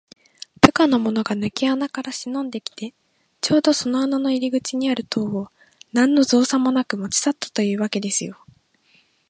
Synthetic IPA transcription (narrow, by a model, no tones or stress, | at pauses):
pɯ̟kano̞mo̞no̞ɡanɯ̟kʲianakaɾaɕinõ̞nd̪e̞kʲi̥t̪e̞ | t͡ɕo̞ːd̪o̞so̞noanano̞iɾʲiɡɯ̟t͡ɕiɲ̟iaɾɯ̟t̪ʰo̞ːo | nãnːo̞zo̞ːsãmːo̞nakɯ̟mo̞t͡ɕi̥sat̪ːḁt̪o̞jɯ̟ːβake̞d̪e̞sɨjo̞